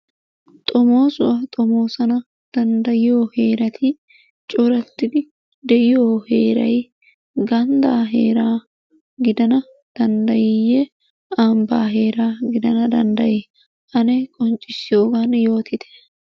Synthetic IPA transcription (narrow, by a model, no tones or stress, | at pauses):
t̪ʼɔmo̞ːsʊʔɐt̪ʼɔmo̞ːsɐnɐ | d̪̥ɐnd̪ɐjɪjoːhe̞ːɾɐt̪ʰɪ | t͡ʃʼɔɾɐt̪ːɪd̪ɪ | d̪ɛʔɪjoːheːɾɐ̰j | ɡɐnd̪aːɦḛːɾaː | ɡɪd̪ɐnɐ | d̪̥ɐnd̪ɐjɪjɛ | amba̰ːɦe̞ːɾaːɡɪd̪ɐnɐd̪ɐ̰nd̪ɐjɪ | ʔɐnekʼɔnt͡ʃʼːɪsːɪjoːɡɐnjo̞ːt̪ʰɪt̪ʰɛ̥